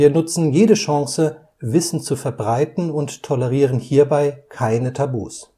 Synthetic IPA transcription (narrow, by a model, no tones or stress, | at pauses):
iːɐnʊt͡sn̩jeːdəʃãŋsə | vɪsn̩t͡sufɛɐbʁaɪtn̩ʊnttʰːɔləʁiːʁənhiːɐbaɪkʰaɪnətʰabṵːs